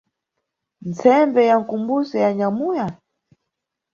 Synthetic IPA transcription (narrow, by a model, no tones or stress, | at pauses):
nt͡sɛmbɛjaŋ̩kumbuzɛjaɲamuja